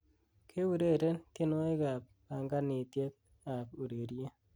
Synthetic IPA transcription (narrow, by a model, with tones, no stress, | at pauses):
kʰe˦u˨ɾe˦˨ɾe˦nkɪ˦no˦e˦ɡa˨pː | a˨ŋɡa˦nɪ˨t̪je˦t̪̚ | a˨pu˨ɾe˨ɾje˦